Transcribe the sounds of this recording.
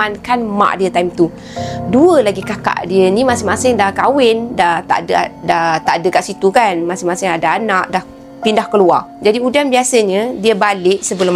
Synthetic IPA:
ankanmã̰ʔdiət̪aimt̪u | duəlaɡikaka̰ʔdiənimasɪŋmasɪŋdahkawɪndaht̪a̰ʔdəa̰daht̪aʔdəkaʔsit̪ukanmasɪŋmasɪŋadaːnaʔdah | pindahkəlua̰rd͡ʒadiudanbiasəɲədiəbalɪʔsəbəlʊ

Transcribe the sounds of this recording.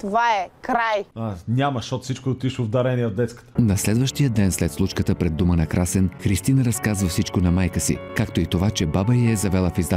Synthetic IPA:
t̪ovaɛkɾajanʲaməʃɔt̪sit͡ʃkod̪ot̪iʃovd̪ɐɾɛnʲiɛod̪ɛt̪skə̥t̪ə̥nɐslɛd̪vəʃt̪ijəd̪ɛnslɛt̪slˠut͡ʃkət̪əpɾɛd̪ːumənɐkɾasɛnxɾist̪inəɾɐskazvəfsit͡ʃkonɐmajkəsḭkakt̪oit̪ovat͡ʃɛbabəɛzɐvɛlˠəfizd̪a

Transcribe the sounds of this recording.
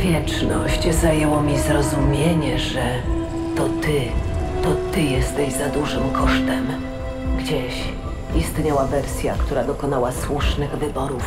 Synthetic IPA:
vʲjɛt͡ʂnɔ̰ɕt͡ɕzajɛwɔmʲizɾɔzumʲjeɲɛʐɛ | t̪ɔt̪ɘt̪ɔt̪ɘjɛst̪ɛʑzad̪uʐɘmkɔʂt̪ɛm | ɡd͡ʑeɕ | ist̪ɲawavɛɾsʲja̰kt̪uɾad̪ɔkɔnawaswuʂnɘɣvɘbɔɾuf

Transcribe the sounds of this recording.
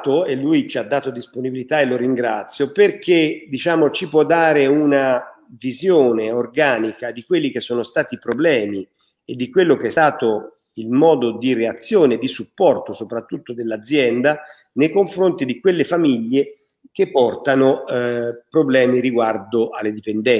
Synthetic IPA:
t̪oelːujt͡ʃiad̪ːaːt̪od̪isponibilit̪aeloɾiŋɡɾat̪sːjoperkʰed̪it͡ʃaːmot͡ʃipwɔd̪ːaːɾeuna | vizjoːneorɡaːnikad̪ikwelːikesːoːnost̪aːt̪ipɾoblɛːmi | ed̪ːikwelːok̟eɛst̪aːt̪o | ilmɔːd̪od̪ireat̪sːjoːned̪isupːɔrt̪osopɾat̪ːut̪ːod̪elːad̪zːjɛnd̪a | nejkoɱfɾont̪id̪ikwelːefamiʎːe | kepːɔrt̪ano | pɾoblɛːmiɾiɡward̪oʔalːed̪ipend̪ɛ

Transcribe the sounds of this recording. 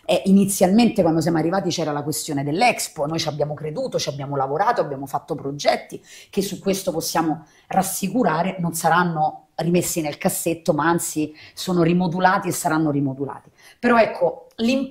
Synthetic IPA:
ɛʔinit̪sːjalment̪ekwand̪os̬jamoarːivaːt̪it͡ʃɛːɾalakwest̪joːned̪elːɛksponoːjt͡ʃabːjaːmokɾed̪uːt̪ot͡ʃiabjaːmolavoɾaːt̪oabjaːmofat̪ːopɾod͡ʒɛt̪ːik̟esːukːwest̪oposːjaːmo | rasːikuɾaːɾenonsaɾanːo | rimesːinelkasːet̪ːomaant̪sisoːnoɾimod̪ulaːt̪iesːaɾanːoɾimod̪ula̰ːt̪i | peɾɔɛkʰːolim

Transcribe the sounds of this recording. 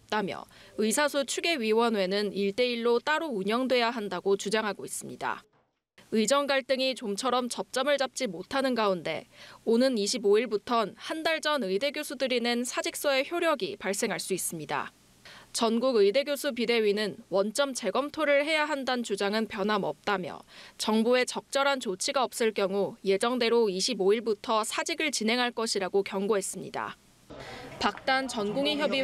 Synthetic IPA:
t͈amjʌ̰ɯisʰasʰut͡ɕʰuɡe̞ɥiwʌnwe̞nɯniɭt͈e̞iɭːot͈aɾouɲʌŋdwe̞jaɦandaɡot͡ɕud͡ʑaŋɦaɡois͈ɯmɲida̰ | ɯid͡ʑʌŋɡaɭt͈ɯŋit͡ɕomt͡ɕʰʌɾʌmt͡ɕʌp̚t͡ɕ͈ʌmɯɭt͡ɕap̚t͡ɕ͈imotʰanɯnɡaunde̞̰onɯniɕʰiboiɭbutʰʌnhandaɭd͡ʑʌnɯjde̞ɡjosʰudɯɾinensʰad͡ʑik̚s͈ʌe̞çjoɾjʌɡipaɭs͈e̞ŋɦaɭs͈uis͈ɯmɲida̰ | t͡ɕʌnɡuɡɯjde̞ɡjosʰup̬ide̞ɥinɯnwʌnt͡ɕ͈ʌmt͡ɕe̞ɡʌmtʰoɾɯɭɦe̞jaɦandant͡ɕud͡ʑaŋɯnpjʌnɦamʌp̚t͈amjʌ̰t͡ɕʌŋbue̞t͡ɕʌk̚t͡ɕ͈ʌɾɦant͡ɕot͡ɕʰiɡaʌp̚s͈ɯɭk͈jʌŋuje̞d͡ʑʌŋde̞ɾoiɕʰiboiɭbutʰʌsʰad͡ʑiɡɯɭt͡ɕinɦe̞ŋɦaɭk͈ʌɕʰiɾaɡokjʌŋɡoɦe̞s͈ɯmɲḭda̰ | pak̚t͈ant͡ɕʌnɡuŋiçjʌbi

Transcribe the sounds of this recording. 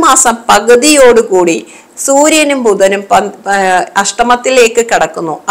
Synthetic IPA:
maːsɐmpɐɣɐðijo̞ːɽukuːɽi | suːɾjɐnumbuðɐnumpɐ | ɐʂʈɐmɐt̪ːile̞ːkːɨkiɽɐkːunːuɐ

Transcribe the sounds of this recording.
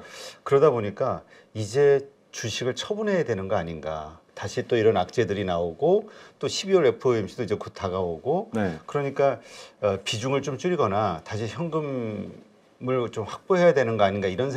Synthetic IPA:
kɯɾʌdaboɲik͈a | id͡ʑe̞ | t͡ɕuɕʰiɡɯɭt͡ɕʰʌbunɦe̞jadwe̞nɯnɡʌaɲinɡa̰taɕʰit͈oiɾʌnak̚t͡ɕ͈e̞dɯɾinaoɡot͈oɕʰibiwʌɾe̞pʰɯemɕʰidoid͡ʑe̞kutʰaɡaoɡonkɯɾʌɲik͈aʌpid͡ʑuŋɯɭt͡ɕomt͡ɕ͈uɾiɡʌnataɕʰiçjʌŋɡɯm | mɯɭt͡ɕomɸak̚p͈oɦe̞jadwe̞nɯnɡʌaɲinɡaiɾʌnsʰ

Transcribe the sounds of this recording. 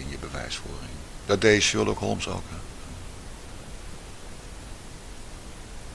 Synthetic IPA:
ɪnjəbəʋɛ̰jsfʊ̰ːrɪ̰ŋd̥ɑdejzəɪlˠdokɦɔ̰lˠmsɔ̰lˠkə

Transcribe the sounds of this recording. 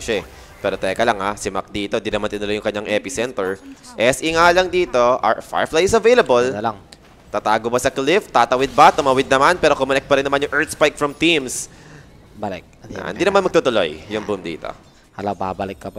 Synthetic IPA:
ʃɛ | pɛːɾot̪ɛkɐlaŋasɪmɐ̰k̚d̪iːt̪oɪnd̪inɐmanɪnʊlojʊŋkɐɲːaŋʔɛpɪsɛnt̪ɛɹʔɛsʔɪŋalɐŋd̪iːt̪o̞ʔa̰fa̰ɹflajɪsɐvejlɐbollaŋ | t̪ɐt̪aːɡobɐsɐklɪft̪at̪ɐwɪd̪̚bɐt̪ʊmɐwɪd̪̚nɐmanpɛːɾo̞kʊmɐnɛk̚t̪̚pɐɾɪnːɐmanjʊŋʔɛɹt̪spajk̚fɹɐmt̪ims | bɐlɪk̚ʔɪnd̪inɐmanmɐɡ̚t̪ut̪ʊlo̰jːʊŋbumd̪ḭːt̪o̞̰ | hɐlɐwbabɐlɪkːɐba

